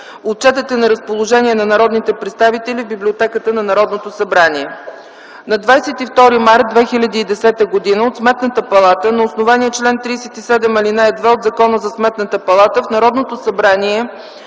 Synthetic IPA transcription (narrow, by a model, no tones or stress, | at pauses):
ot̪̚t͡ʃɛt̪ət̪ɛnɐɾəspolˠoʒɛnʲiɛnɐnɐɾɔd̪nit̪ɛpɾɛt̪st̪avit̪ɛlivbiblʲiot̪ɛkət̪ənɐnɐɾɔd̪not̪osɐbɾaniɛ | nɐd̪vajsɛt̪ift̪ɔɾimaɾt̪̚d̪vɛxilʲɐd̪iːd̪ɛsɛt̪əɡod̪inəot̪smɛt̪nət̪əpɐlˠat̪ənɐosnovaniɛt͡ʃlɛnt̪ɾiːsɛt̪isɛd̪ɛmɐlinaɛd̪vɛod̪zɐkɔnəzɐsmɛt̪nət̪əpɐlˠat̪əfnɐɾɔd̪not̪osɐbɾaniɛ